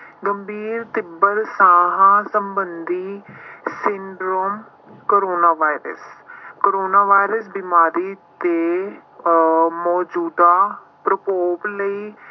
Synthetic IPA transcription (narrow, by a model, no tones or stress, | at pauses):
ɡəmbʱiːɾt̪ɪbəɾsãːɦãːsəmbənd̪iːsɪɳɖɾoːm | koɾoːnaːʋaːɪɾə̰skoɾoːnaːʋaːɪɾəsbɪmaːɾiːt̪eː | mɔːd͡ʒuːd̪aː | pɾəpoːbləiː